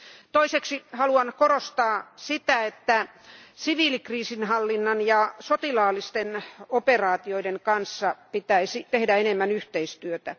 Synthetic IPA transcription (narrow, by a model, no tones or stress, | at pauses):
t̪oiseksihɑluɑnkorost̪ɑːsit̪æet̪ːæ | siʋiːlikriːsinhɑlːinːɑnjɑsot̪ilɑːlːˑist̪enoperɑːt̪ioideŋkɑnsːɑpit̪æisit̪ehdæenemːænyht̪eist̪yøt̪æ